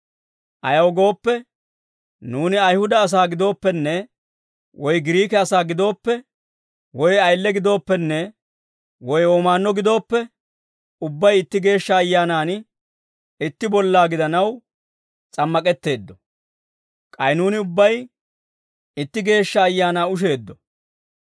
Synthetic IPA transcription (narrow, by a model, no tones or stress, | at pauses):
ʔɐjɐwɡo̞ːpːɛ | nuːnɪɐjhʊd̪ɐːs̬aːɡɪd̪o̞ːpːɛnːɛ | wɔjɡɪɾiːkɛɐsaːɡɪd̪o̞ːpːɛ | wɔjɐjlːɛɡɪd̪o̞ːpːɛnːɛ | wɔjoːmaːnːɔɡɪd̪o̞ːpːɛ | ʊbːɐjɪt̪ːɪɡe̞ːʃːɐːjːaːnaːn | ɪt̪ːɪbɔlːaːɡɪd̪ɐnɐw | t͡sʼɐmːɐkʼɛt̪ːe̞ːd̪ːɔ | kʼɐjnuːnɪʊbːɐj | ɪt̪ːɪɡe̞ːʃːɐːjːaːnaːʊʃ̬e̞ːd̪ːɔ